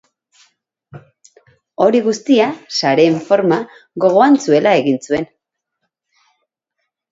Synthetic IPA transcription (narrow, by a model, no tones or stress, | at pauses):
o̞ɾiɣust̪iasaɾe̞ːɱfo̞ɾma | ɣo̞ɣ̞o̞ansue̞lae̞ɣinsue̞n